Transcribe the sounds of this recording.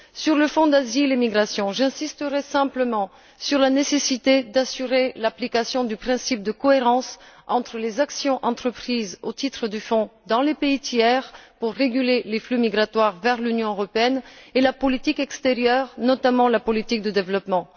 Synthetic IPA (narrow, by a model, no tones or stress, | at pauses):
syʁləfɔ̃d̪azilemiɡʁasjɔ̃ʒɛ̃sist̪əʁɛsɛ̃pləmɑ̃ | syʁlanesesit̪ed̪asyʁelaplikasjɔ̃d̪ypχɛ̃sip̚d̪əkɔeʁɑ̃sɑ̃t̪χəlezaksjɔ̃ʔɑ̃t̪χəpχizot̪it̪χəd̪yfɔ̃d̪ɑ̃lepeit̪jɛʁpuʁːeɡyleleflymiɡʁat̪waʁvɛʁlynjɔ̃øʁɔpeɛnelapɔlit̪ikɛkst̪eʁjœʁnɔt̪amɑ̃lapɔlit̪ik̚d̪əd̪evlɔpmɑ̃